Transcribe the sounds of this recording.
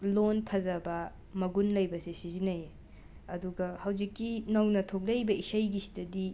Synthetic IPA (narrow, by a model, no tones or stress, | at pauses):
lonpʰɐzɐbɐ | mɐɡunlɐjbɐsesizinɐje | ɐduɡɐhɐwzikːinɐwnɐtʰok̚lɐjbɐisɐjɡisi̥tɐdi